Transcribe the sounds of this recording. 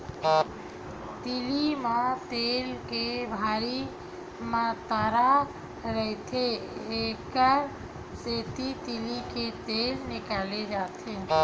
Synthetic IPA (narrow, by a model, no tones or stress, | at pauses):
t̪ilimãt̪elkebʱaɾi | mãt̪aɾa | ɾəɦt̪ʰeekəɾ | set̪it̪iliket̪elnikaled͡ʒat̪ʰe